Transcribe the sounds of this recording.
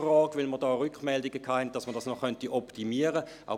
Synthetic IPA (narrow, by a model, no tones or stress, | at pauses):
rɑːɡ̥ʋɪlməʁdɑːʁʏkχmɛldiɡəkʰɑːhɛnt̚d̥ɑsməɐdɑsnɔχœntiʔɔptimiːəʁə | ʔa̰